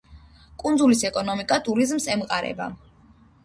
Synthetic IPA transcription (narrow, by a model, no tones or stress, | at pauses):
kʼund̪zulisɛkʼɔnɔmikʼat̪ʼuɾizmsɛmqʼaɾɛ̰ba̰